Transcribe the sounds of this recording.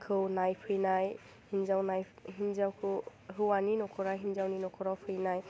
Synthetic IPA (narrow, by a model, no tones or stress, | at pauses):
kʰɯwnajpʰɯjnaj | hinzawnajɦinzawkʰɯɦɯwaninɔkʰɔɹaɦinzawninɔkʰɔɹawpʰɯjnaj